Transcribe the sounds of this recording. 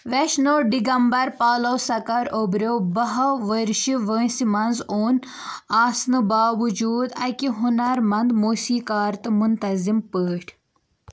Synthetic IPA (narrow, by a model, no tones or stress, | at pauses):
ʋeʃnoːɖiɡɐmbɐɾpaːlɐwsɐkɐɾobɾowbɐɦɐʋəɾʃiʋə̃ːsimɐnzoːn | aːsnɨbaːʋud͡ʒuːd̪ɐkiɦunɐɾmɐnd̪moːsiːkaːɾt̪ɨmunt̪ɐzimpəːʈʰ